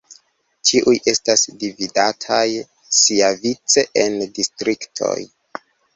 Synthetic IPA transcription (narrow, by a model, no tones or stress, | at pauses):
tʰiʔujʔe̞stasdividatʰaj | siavit͡se̞ʔendistɾiktʰo̞̰j